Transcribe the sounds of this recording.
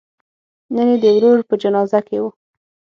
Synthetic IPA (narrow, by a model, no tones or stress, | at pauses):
nəned̪əwɾoɾpəd͡ʒanɑzakewu